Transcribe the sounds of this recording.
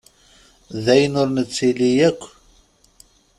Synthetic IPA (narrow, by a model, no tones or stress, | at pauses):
ðæjənʊɾnət͡sːilijækʷː